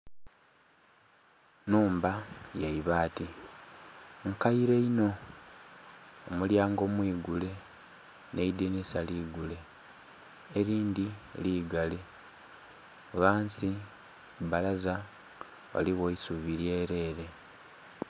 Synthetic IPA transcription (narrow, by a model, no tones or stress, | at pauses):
nuːmbajaiβaːti | ŋkaiɾe̞ino̞ | muljaːŋɡo̞mwiːɡule̞ | ne̞idenisaliːɡule̞ | ɾiːndiliːɡale | βaːnsi | balaza | wa̰liɣoisuβiɾje̞ːɾe̞ːɾe̞